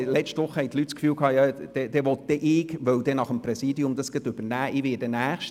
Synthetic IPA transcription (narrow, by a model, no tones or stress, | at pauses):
lɛt͡ʃtʋʊχːəhɛjt̪lytskfyːlkʰɑːjɑd̥ɛd̥ɛʋɔt̚d̥ɛʔɪːɡʋœwd̪ɛnɑχəmpɾɛsiːdiʊmd̪ɑsɡ̥ət̪ʏb̥ənæːʔɪʋɪːdɛnæːχʃt